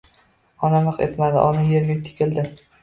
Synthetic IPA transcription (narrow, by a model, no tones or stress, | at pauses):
ɒnamɨqe̞̰t̪mad̪ɪʔɒnajeɾɡʲɪt̪ʰɪ̥kʲʰɪld̪ɪ